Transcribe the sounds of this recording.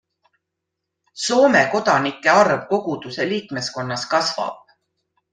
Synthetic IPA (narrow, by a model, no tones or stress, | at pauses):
so̞ːme̞ko̞d̪̥ɑnikːˑe̞ɑrvko̞ɡ̥ud̪̥use̞liːkme̞sko̞nːɑskɑsv̥ɑ̰b̥̚